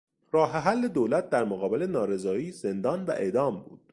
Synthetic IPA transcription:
ɾɒːɦeɦælːed̪oːlæt̪̚d̪æɾmoɣɒːbe̞le̞nɒːɾe̞zɒːiːze̞nd̪ɒːnvæ̰ʔe̞̰d̪ɒːmbuːd̪̥

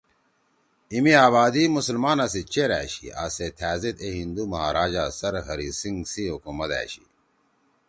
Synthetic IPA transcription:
imiaːβaːd̪imusɐlmaːnɐs̬it͡ɕeɾæ̰ːɕḭa̰ːset̪ʰæːzet̪eɦind̪umɐɦaːɾaːd͡ʑasɐɾɦɐɾisiŋɡsiɦukumɐt̪æ̰ːɕḭ

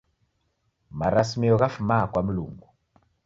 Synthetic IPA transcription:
maɾasimiɔɣafumakwam̩lṵŋɡu

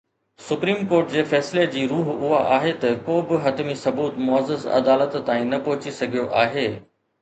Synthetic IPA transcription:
sʊpɾiːmkoːɾʈd͡ʑeːfɛːsled͡ʑiːɾuːɦʊɦaʔaːɦet̪ɐkoːbɪɦɐt̪misɐbuːt̪mʊəzəzɐ̰d̪aːlət̪ːaːĩnɐpɔɦɪt͡ɕisɐɡʱijoʔaːɦeː

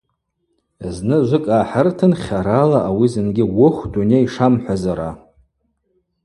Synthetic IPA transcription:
znɨʒʷɨkʼaːħərtʰɨnχʲaɾalaʔawizɨnɡʲɪwʊχʷdunejʂamħʷazaɾa̰

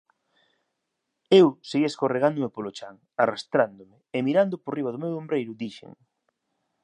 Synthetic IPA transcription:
ewseɣieskoreɣand̪ʊmepolot͡ʃaŋ | arast̪ɾand̪omɪemiɾand̪ʊporiβaðʊmewombɾejɾʊd̪iʃḛŋ

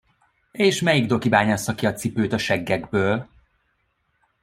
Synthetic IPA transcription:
eːʃmɛjiɡd̪o̞kibaːɲast̪ɒkiɒt̪sipøːt̪ɒʃɛɡːɛɡbøːl

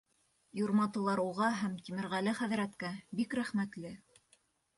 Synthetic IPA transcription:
juɾmɑt̪ɤ̆lˠɑɾuʁɑɦæmt̪imɘ̆ɾʁælɘχæðɾæt̪kæbikɾæχmæt̪lɘ

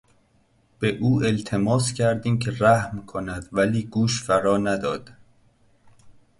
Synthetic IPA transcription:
b̥e̞ʔuːe̞lt̪ʰe̞mɒːscʲʰæɾd̪iːmcʰe̞ɾæhmkʰonæd̪̥væliːɡuːʃfæɾɒːnæd̪ɒːd̪̥

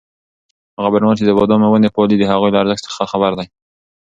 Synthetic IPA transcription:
haɣabaɾnwət͡ʃed̪əbɑd̪omawand̪epɑlid̪əɦaɣujlaːɾzəɡsə̥xaxabaɾd̪aj

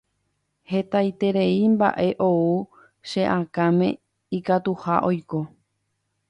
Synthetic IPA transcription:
he̞t̪ajt̪e̞ɾeimba̰ʔe̞ʔou | ʃeʔãkãmẽ̞ | ikat̪uhaʔo̞jko̞

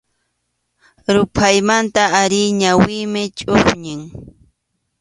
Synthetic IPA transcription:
ɾʊpʰajmant̪aːɾɪjɲawɪjmɪt͡ʃʼoʊχɲɪŋ

